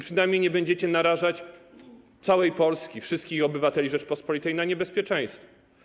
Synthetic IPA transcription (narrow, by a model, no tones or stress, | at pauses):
pʂɘnajmɲejɲɛbɛɲd͡ʑɛt͡ɕɛnaɾaʐat͡ɕ | t̪sawɛjpɔlskʲifʂɨst̪̚kʲixɔbɘvat̪ɛlʲiʐɛt͡ʂpɔspɔlʲit̪ɛjnaɲɛbɛspʲjɛt͡ʂɛ̃j̃st̪fɔ